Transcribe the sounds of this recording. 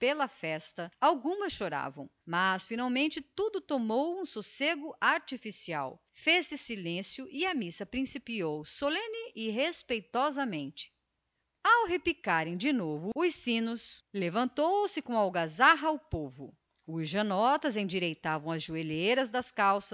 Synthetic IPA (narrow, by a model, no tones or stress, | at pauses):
pelɐfɛst̪ɐawɡũmɐsʃoɾa̰vɐ̃w̃mɐsfinawmẽnt͡ʃɪt̪ud̪ʊt̪omowũsuseɡʊʔaɾt͡ʃifisia̰w | fesɪsilẽsjʊʔɪɐmisɐpɾĩsipiowsolẽnɪʔɪɦespejt̪ɔzɐmẽnt͡ʃɪ̥ | awɦepikaɾẽj̃d͡ʒɪnovʊʊsĩnʊslevɐ̃nt̪owsɪkõawɡazaɦɐʊpovʊ | uʒɐnɔt̪ɐzẽj̃d͡ʒiɾejt̪avɐ̃w̃ɐzʒuelejɾɐzd̪ɐskawsɐs